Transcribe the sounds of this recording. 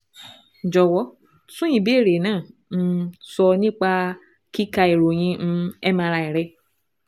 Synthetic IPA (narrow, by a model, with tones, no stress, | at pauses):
d͡ʒɔ˨wɔ˨˦ | sũ˦jĩ˨be˦˨ɾe˨nãː˦˨n̩˦sɔ˧nĩ˦k͡pa˧ | ki˦ka˧e˨ɾo˨j̃ĩ˧˦ñ̩˧ɛ˦mã˧ɾa˧i˨ɾɛ˧